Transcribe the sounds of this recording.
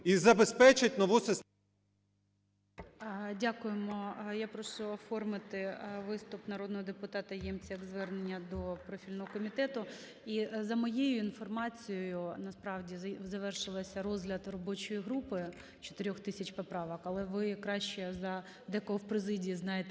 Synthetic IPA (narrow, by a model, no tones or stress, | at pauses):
izɐbespɛt͡ʃɪtʲnɔʋusɛs | dʲakʊjemɔjapɾɔʃʊɔfɔrmɪt̪ɪʋɪst̪ʊpnɐɾod̪̚nɔɦɔd̪epʊt̪ɑt̪ɐjɛmt͡sʲjɐɡzʋɛrnenʲːɐd̪ɔpɾɔfʲilʲnɔɦɔkɔmʲit̪ɛt̪ʊ | izɐmɔjejʊinfɔrmɑt͡sʲijɔjʊnɐspɾɑʋdʲizɐʋɛrʃɪlˠɐsʲɐrɔzɦlʲɐd̪rɔbɔt͡ʃɔjiɦɾupɪ | t͡ʃɔ̥t̪eɾʲɔxt̪ɪsʲɐt͡ʃpɔpɾɑʋɐkɐlˠɛʋɪkɾɑʃt͡ʃɛzɐ | d̪ɛkɔɦɔwpɾezɪdʲiːznɑjet̪